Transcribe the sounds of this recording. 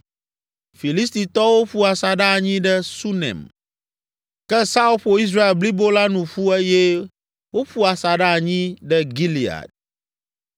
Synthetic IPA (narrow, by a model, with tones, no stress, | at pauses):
fi˨li˦st̪i˨t̪ɔ˦wo˦ɸu˦a˨sa˨ɖa˦a˨ɲĩ˦ɖɛ˦su˦nɛ̰̃˨m | kɛ˦sa˦o˦ɸo˨i˦s̬ɾa˦e˨lbli˦bo˦la˦nũ˨ɸu˦ɛ˦jɛ˦ | wo˦ɸu˦a˨sa˨ɖa˦˨ɲĩ˦ɖɛ˦ɡi˦li˨a̰˨d̚